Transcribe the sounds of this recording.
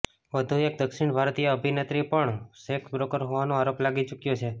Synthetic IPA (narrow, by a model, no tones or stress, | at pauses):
ʋəd̪ʱuek̚d̪əkʃiɳbʱaɾt̪ijəəbʱinet̪ɾipəɳseksbɾokəɾɦoʋanõaɾoplaɡit͡ʃukjot͡ʃʰe